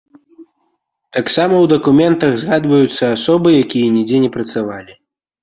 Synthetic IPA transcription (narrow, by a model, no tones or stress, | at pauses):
t̪aksamɐwd̪ɐkumʲɛnt̪ɐɣzɣad̪vɐjut̪sːɐasɔbɨjakʲijɐnʲid͡zʲɛnʲɛpɾɐt̪savalʲi